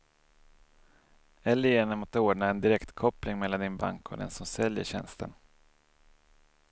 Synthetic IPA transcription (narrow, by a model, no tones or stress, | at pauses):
ɛlːjeːnəmɔt̪ːəoːɖɳaɛnd̪ɪɾɛkt̪kʰɔplɪŋmɛlːand̪ɪnba̰ŋkʰɔ̰d̪ɛ̰nsɔmsɛljə̰ɕɛ̰nst̪ʰə̰n